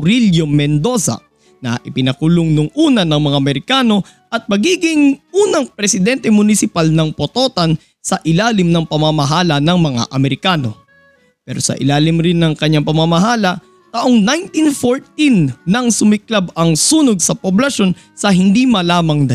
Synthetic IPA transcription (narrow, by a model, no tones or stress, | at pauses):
ɾiljomɛnd̪o̞sɐ̰ | nɐʔɪpɪnɐkulʊŋnʊŋʔuːnɐnɐŋmɐŋaʔɐmɛɾɪkaːno̞ | ʔɐt̪̚mɐɡiːɡɪŋʔuːnɐŋpɾɛsɪd̪ɛnt̪ɛmʊnɪsɪpalnɐŋpot̪o̞ːt̪ɐn | sɐʔɪlaːlɪmnɐŋpɐmamɐɦaːlɐnɐŋmɐŋa̰ʔɐmɛɾɪkaːno̞̰ | pɛːɾosɐ̰ʔɪ̰laːlɪmɾɪnːɐŋkɐɲːaŋpɐmamɐɦaːlɐ | t̪aʔoŋnajnt̪infoɹt̪inːɐŋsʊmɪklabɐŋsuːnoɡ̚sɐpoblɐʃo̞n | sɐɦɪnd̪imɐlaːmɐŋd̪ɐ